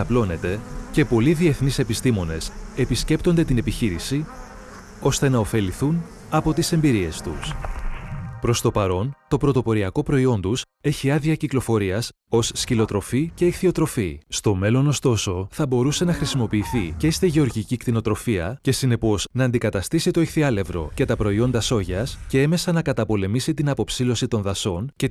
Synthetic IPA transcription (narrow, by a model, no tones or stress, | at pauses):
ɐplo̞ne̞t̪e̞ce̞po̞liðie̞θnise̞pist̪imo̞ne̞se̞pisce̞pt̪o̞nd̪e̞t̪ine̞piçiɾisi | o̞st̪e̞nɐo̞fe̞liθun | ɐpo̞t̪ise̞mbiɾie̞st̪us | pɾo̞st̪o̞pɐɾo̞nt̪o̞pɾo̞t̪o̞po̞ɾiɐko̞pɾo̞io̞nd̪us | e̞çiɐðiɐciklo̞fo̞ɾiɐs | o̞sːcilo̞t̪ɾo̞fice̞ixθio̞t̪ɾo̞fist̪o̞me̞lo̞no̞st̪o̞so̞θɐbo̞ɾuse̞nɐxɾisimo̞piːθiceist̪iʝe̞o̞ɾʝicikt̪ino̞t̪ɾo̞fiɐce̞sine̞po̞z̥nɐːnd̪ikɐt̪ɐst̪isit̪o̞ixθiɐle̞vɾo̞̰ce̞t̪ɐpɾo̞io̞nd̪ɐso̞ʝɐsce̞eme̞sɐnɐkɐt̪ɐpo̞le̞misit̪inɐpo̞psilo̞sit̪o̞nðɐso̞nce̞